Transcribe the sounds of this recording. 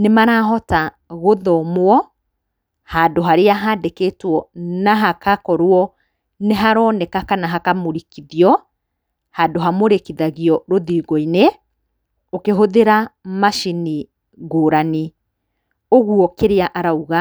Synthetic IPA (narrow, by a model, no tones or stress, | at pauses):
nemaɾaːɦɔta | ɣoðɔmoɔ | hadoɦaɾeaɦadekeːtwɔnaɦakakɔɾwɔ | neɦaɾɔːnɛkakanaɦakamoɾikiðjɔ | hadoɦamoɾekiðaɣiɔɾoðiːɡɔine | okeɦoðeɾamaʃini | ɣoːɾani | oɣwɔkeɾeaʔaɾauɣa